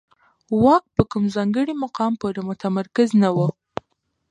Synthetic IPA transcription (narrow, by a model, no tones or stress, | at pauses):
wɑk̚pəkumzɑŋɡəɽimaqɑmpoɾemʊt̪amaɾkɪznawə